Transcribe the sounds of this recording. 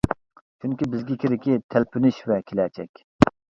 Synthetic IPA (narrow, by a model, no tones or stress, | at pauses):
t͡ʃʰyŋkʲibɪzɡʲɪkʲʰɪɾɪkʲit̪ʰælpʰynɪʃvɛkʲʰelɛt͡ʃʰɛ̰kʲ